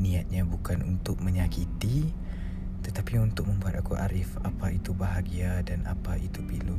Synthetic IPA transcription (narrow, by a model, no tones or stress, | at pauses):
niat̪̚ɲabukanunt̪ʊk̚məɲakit̪i | t̪ət̪apiunt̪ʊk̚mə̃mbuɦat̪akuʔa̰ɾɪfapait̪ubaɦaɡiadana̰pait̪upilʊ